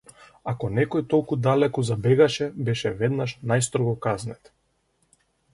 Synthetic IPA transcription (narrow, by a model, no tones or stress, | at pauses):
akɔnɛkɔjt̪ɔlˠkud̪alɛkɔzabɛɡaʃɛbɛʃɛvɛd̪naʃnajst̪ɾɔɡɔkaznɛt̪